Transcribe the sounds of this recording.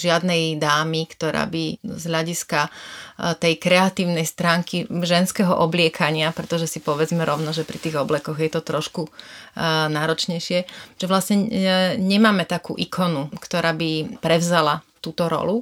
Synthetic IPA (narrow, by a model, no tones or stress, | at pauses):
ʒɪad̪nɛjd̪aːmikt̪ɔɾa̰ːbizɦʎaɟiska | t̪ɛjkɾɛat̪iːʊnɛjst̪ɾaːŋkiʒɛnskɛɦɔʔɔblɪɛkʰaɲɪapɾɛt̪ɔʒɛsipɔʋɛd͡zmɛɾɔʊnɔʒɛpɾit̪iːɣɔblɛkɔɣjɛt̪ɔt̪ɾɔʃku | naːɾɔt͡ʃɲɛjʃɪɛʒ̥ɛʋlastɲɛɲɛmaːmɛt̪akṵːʔikʰɔnukt̪ɔɾaːbipɾɛʋzalat̪uːt̪ɔɾɔ̰lu